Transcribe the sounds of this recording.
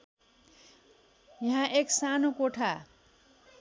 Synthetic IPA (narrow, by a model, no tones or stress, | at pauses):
jʌɦãʔeksanokoʈʰa